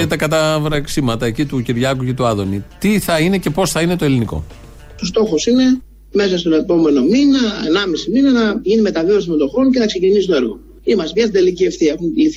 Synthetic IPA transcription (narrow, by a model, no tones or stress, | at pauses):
et̪ɐkɐt̪ɐvɾɐksimɐt̪ɐe̞cit̪uciɾʝɐkuce̞t̪uɐðo̞nit̪iθɐine̞ce̞po̞sθɐine̞t̪o̞e̞liniko̞̰ | os̬t̪o̞xosine̞ | me̞sɐst̪one̞po̞me̞no̞minɐḛnɐmisiminɐnɐʝinime̞t̪ɐveos̬imond̪oxonceθɐkse̞cinisut̪oeɾɣo̞̰ | imɐst̪ipçɐst̪id̪e̞licieft̪iexunliθ